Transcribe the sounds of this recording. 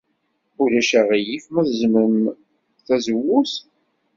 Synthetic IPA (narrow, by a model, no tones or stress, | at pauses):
ulæʃæʁijifməðzməm | θæzəwːus